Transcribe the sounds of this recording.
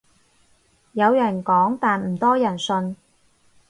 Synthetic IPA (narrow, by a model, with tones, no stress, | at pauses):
jɐ˨˧wjɐ˨˩nkɔː˨˥ŋt̪aː˨nm̩˨˩t̪ɔː˥jɐ˨˩nsɵ˧n